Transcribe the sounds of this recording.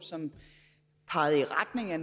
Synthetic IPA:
sɒ̽m | pʰɑ̈ɪð̩ˠiʁad̥ne̝ŋæn

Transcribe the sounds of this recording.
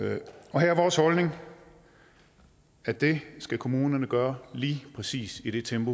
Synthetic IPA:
ɒ̽ɦæɐɐʋɒːshɒ̽lne̝ŋ | æd̥e̝sɡ̥ækʰo̝muːnɐnəɡ̥ɶːɐliːpʰʁɛsḭːsid̥e̝t͡sʰemb̥o

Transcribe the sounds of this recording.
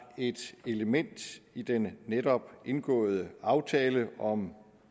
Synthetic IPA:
e̝d̥e̝ləmen̰d̥id̥enːeɾɒ̽b̥ʔe̝nɡ̥ɔ̰̽ːð̞̩ˠəɑ̈ʊt͡sʰɛːləɒ̽m

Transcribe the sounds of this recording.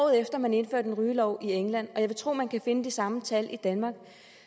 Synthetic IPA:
ʊð̩ˠefd̥ɐmæne̝nfø̰ɐ̰d̥enʁyːlɒʊ̰ieŋlæn̰ɒ̽jɑ̈ɪʋe̝t͡sʰʁo̝̰ːmænkʰæfe̝nəd̥isɑ̈mət͡sʰælʔid̥ænmɑ̈ːɡ̥

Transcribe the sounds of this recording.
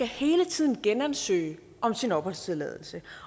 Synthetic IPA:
æhe̝ːlət͡sʰið̰ˠn̩ɡ̥enænsø̰ːɪ | ɒ̽msinɒ̽b̥hɒ̽l̰st͡sʰeðˠlɛːð̞ˠl̩sə

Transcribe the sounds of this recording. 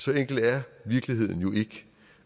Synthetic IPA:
sɒ̽eŋ̰ɡ̥l̩d̥æɐʋiɐɡ̥liɦe̝ð̞̰ˠn̩jo̝e̝ɡ̥ə

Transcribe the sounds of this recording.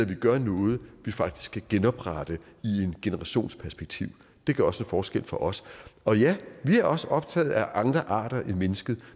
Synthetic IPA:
æʋiɡ̥ɶɐnɔ̽ːð̞̩ˠʋifɑ̈ɡ̥̚d̥i̥sɡ̥ʰæɡ̥enɒ̽b̥ʁad̥əie̝nɡ̥e̝nəʁɑ̈ɕo̝̰ːnspʰæɐsb̥eɡ̥̚t͡sʰiʊ̰ | d̥e̝ɡ̥ɶɐɒsenfɒːsɡ̥el̰fɒ̽ʔɒ̽sɒ̽jæʋiæɐɒ̽səʔɒ̽b̥̚t͡sʰɛ̰ːð̩ˠæʔɑ̈ŋd̥ʁɐʔɑ̰̈ːɾ̥ɐʔed̥menəsɡ̥əð̞̩ˠ

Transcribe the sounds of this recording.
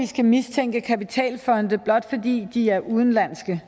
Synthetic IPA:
isɡ̥æmist͡sʰeŋ̰ɡ̥əkʰæpit͡sʰɛ̰ːlfɒ̽nd̥əb̥lɒ̽d̥fɒ̽dḭːd̥iæɐʔuðˠn̩læn̰sɡ̥ə

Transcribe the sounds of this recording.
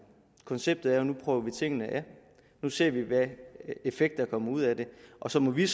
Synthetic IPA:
kʰɒ̽nseb̥̚d̥ð̩ˠæɐɒnupʰʁœːʊɐʋit͡sʰe̝ŋ̰ənəʔæɐ | nuse̝ɐ̰ʋiʋæe̝feɡ̥̚d̥ɐkʰɒ̽mɐuð̰ˠæd̥e̝ʔɒ̽sɒ̽mɒ̽ʋis

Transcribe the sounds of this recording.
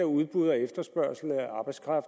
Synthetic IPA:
æuð̞ˠb̥uðˠɒefd̥ɐsb̥ɶɐ̰sl̩nəæɑ̈b̥ɑ̈ɪdskʰʁɑ̈f

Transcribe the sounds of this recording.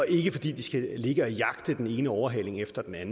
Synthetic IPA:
ɒ̽e̝ɡ̥əfɒ̽d̥ḭːd̥isɡ̥æle̝ɡ̥əɒjɑ̈ɡ̥d̥əd̥ene̝ːnəɒʊɐɦɛ̰l̰e̝ŋefd̥ɐd̥enæn̩

